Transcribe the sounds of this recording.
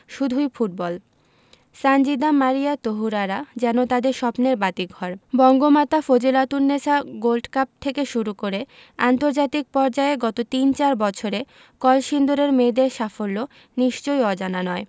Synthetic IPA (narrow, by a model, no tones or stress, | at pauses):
ʃud̪ʱujfuʈ̚bɔl | sand͡ʑid̪amaɾijat̪oɦuɾaɾad͡ʑɛnot̪ad̪eɾʃɔpneɾbat̪iɡʱɔɾbɔŋɡomat̪afod͡ʑelat̪uɾnesaɡolɖkap̚t̪ʰekeʃuɾukoɾe | ant̪oɾd͡ʑat̪ik̚pɔɾd͡ʑaeɡɔt̪ot̪int͡ɕaɾbɔt͡ɕʰoɾe | kɔlʃind̪uɾeɾmed̪eɾʃafolːo | niʃt͡ɕojɔd͡ʑananɔe